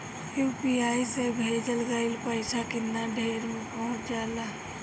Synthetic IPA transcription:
jupiaːjsebʱeːd͡ʒəlɡaɪlpəɪsakɪnːaɖʱeːɾmẽpəɦʊ̃t͡ʃd͡ʒaːlaː

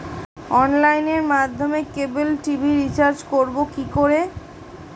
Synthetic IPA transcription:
ɔnlajneɾmad̪ʱːomekebulʈibʱiɾit͡ɕaɾd͡ʑkoɾbokikoɾe

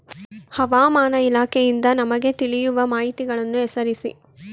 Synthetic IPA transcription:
hɐʋaːmaːnɐilaːkʰɛjind̪ɐnɐmɐɡe̞t̪iɭijuʋɐmaːɦit̪iɡɐɭɐnːuɛsɐɾisḭ

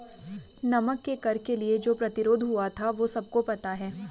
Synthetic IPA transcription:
nɐməkːekɐɾkelied͡ʒoːpɾɐt̪ɪɾoːd̪ʱɦʊat̪ʰaʋoːsɐb̚kopɐt̪aɦɛː

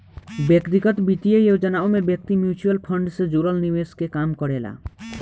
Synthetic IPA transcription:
bjekt̪iɡət̪bit̪ijejed͡ʒənaomebjək̚t̪imjut͡ʃuəlpʰəɳɖsẽd͡ʒoɾəlniʋeskekamkɔɽela̰

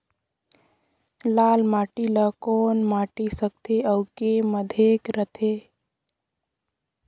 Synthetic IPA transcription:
laːlmaːʈiləkɔːnmaːʈisək̚t̪ʰeəʊkeməd̪ʱekɾət̪ʰe

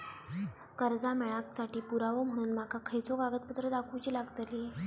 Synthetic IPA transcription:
kəɾd͡zameɭaksaʈiːpuɾaʋom̤əɽ̃uːnm̤akʰakʰəjt͡soɡaɡət̪̚put̪ɾəd̪akʰut͡ɕiːlaɡt̪li

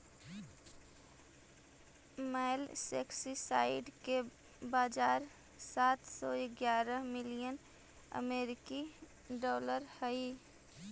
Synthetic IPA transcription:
mɛlsḛːksisaːɪɖke | baːd͡ʒaːɾ | saːt̪sɔɪɡjaːɾəmɪlijən | ə̰meːɾɪki | ɖɔːləɾhəi

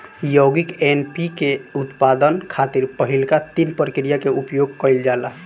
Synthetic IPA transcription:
joɡikenpikeut̪pad̪ənkʰat̪iɾpəɦilkat̪inpəɾkɾijakeupjoɡkəild͡ʒala

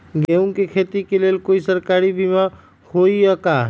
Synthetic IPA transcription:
ɡeũkekʰet̪ikelelkoisəɾkaɾibima | hoijəka

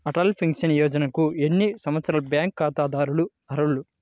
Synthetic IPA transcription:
ɐʈɐːlpʰiŋkʃɐnijɔːd͡ʒɐnɐkuenːisɐmʋɐt̪sɐɾɐlbjaːŋkːaːt̪aːd̪aːɾulu | ɐɾɐɭːu

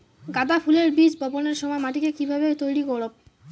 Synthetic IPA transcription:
ɡad̪apʰuleɾbid͡ʑbʱɔboneɾʃɔmɔemaʈikekibʱabet̪ojɽikɔɽob̚

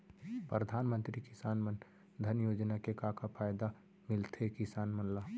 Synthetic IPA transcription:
pɾəd̪ʱaːnmə̃nt̪ɾikɪsaːnmən | d̪ʱənjoːd͡ʒnakekaːkapʰaːjd̪a | mɪlt̪ʰekɪsaːnmənlaː

